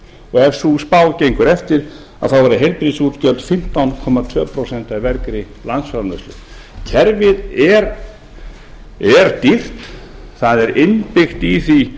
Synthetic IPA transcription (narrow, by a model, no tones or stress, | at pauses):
ɔɣɛvsuspaːwcejŋkʏɾɛft̪ɪɾ̥ | a̰ðθawvaɾɪɦejlpɾisuːt̪cœlt̪fɪm̥t̪awnkʰɔmat̪ʰvœːpʰɾowsɛn̥t̪aivɛɾkɾɪ | lant̪sfaɾnvœslʏ̰ | cʰɛɾvɪðɛɾ | ɛɾt̪ir̥t̪θaðɛɾɪnpɪxt̪iθi